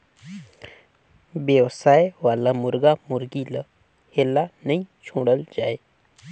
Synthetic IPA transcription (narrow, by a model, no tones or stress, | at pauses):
bjəwsajʋalamuɾɡamuɾɡilə | helːanəit͡ɕʰuɽəld͡ʑaj